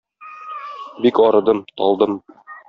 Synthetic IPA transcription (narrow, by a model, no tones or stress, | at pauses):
bikɒɾɤ̆d̪ɤmt̪ɒ̰lˠd̪ɤm